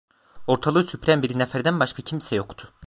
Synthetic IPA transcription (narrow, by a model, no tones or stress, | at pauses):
o̞ɾt̪ʰalˠɯːsypɾæmbiɾinɛfæɾd̪ænbaʃkʰacʰimsɛjo̞kt̪ʰʊ̥